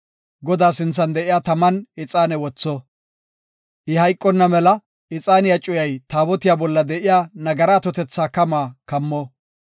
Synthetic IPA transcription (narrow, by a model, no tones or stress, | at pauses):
ɡɔd̪aːsɪnt͡sːɐnd̪ɛʔɪjaːt̪ɐmɐnɪt͡sʼaːnɛwɔt͡sːɔ | ʔɪhɐjkʼːɔnːɐmɛlɐ | ɪt͡sʼaːnɪjat͡ʃʼʊjɐjt̪aːbɔt̪ɪjaːbɔlːɐd̪ɛʔɪjaːnɐɡɐɾaːt̪ɔt̪ɛt͡sːaːkɐmaːkɐmːɔ